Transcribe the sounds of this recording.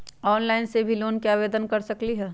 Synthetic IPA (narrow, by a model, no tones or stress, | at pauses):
ɔːnlaːɪnsebʱiloːnkiaːʋeːd̪ənkɐɾsɐkliɦɛː